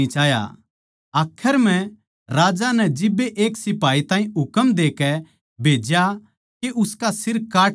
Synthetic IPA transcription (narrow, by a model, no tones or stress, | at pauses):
it͡ʃaːja̰ | aːkʰəɾmɛ̃ | ɾaːd͡ʒanɛd͡ʒɪbːeʔeːksɪpaːit̪ãːɦĩʊkəmd̪eːkɛ | bʱeːd͡ʒja | keʔʊskasɪɾkaːʈ